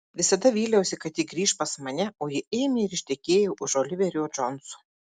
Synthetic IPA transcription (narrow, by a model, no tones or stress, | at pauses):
ʋʲɪsɐd̪ɐʋʲiːlʲɛʊsʲɪkɐt̪jɪɡɾʲiːʃpɐsmɐnʲɛoːjɪeːmʲeɪɾɪʃʲt̪ʲɛkʲeːjɛʔʊʃoːlʲɪʋʲɛɾʲuːd͡ʒɔnsʊ̥